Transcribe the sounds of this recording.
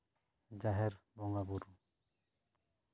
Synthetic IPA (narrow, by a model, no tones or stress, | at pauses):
d͡ʒaɦɛɾbɔŋabuɾu